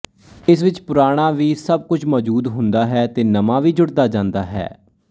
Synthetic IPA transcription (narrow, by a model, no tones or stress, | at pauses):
ɪsʋɪt͡ʃpʊɾaːɽ̃aːʋiːsəb̚kʊt͡ʃʰmɔːd͡ʒuːd̪ɦʊnd̪aːɦɛːt̪eːnəmãːʋiːd͡ʒʊɽd̪aːd͡ʒãːnd̪aːɦɛ̰ː